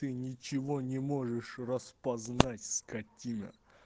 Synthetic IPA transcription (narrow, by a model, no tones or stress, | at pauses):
t̪ɨnʲɪt͡ɕɪvonʲɪmoʐɨʂrəspɐznatʲskatʲinʲə̰